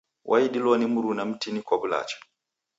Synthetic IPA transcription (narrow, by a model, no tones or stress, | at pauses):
wʔaiɗilɔnimuɾunam̩tinikwabula̰t͡ʃḁ